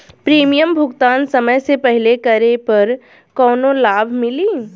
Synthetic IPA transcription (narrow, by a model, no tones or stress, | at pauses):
pɾiːmijəmbʱʊɡt̪aːnsɐməjsepɛɦlekɐɾepɐɾ | kɔːnolaːbʱmɪliː